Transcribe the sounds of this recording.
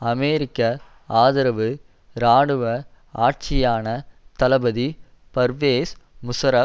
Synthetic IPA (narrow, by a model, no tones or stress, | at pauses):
ɐmeːɾɪkːɐ | aːðɪɾɐʋɯ | ɾaːɽɯʋɐ | aːʈ̚t͡ʃɪjaːnɐt̪ɐlɐbɐði | pɐɾʋeːsmʊsɐɾɐ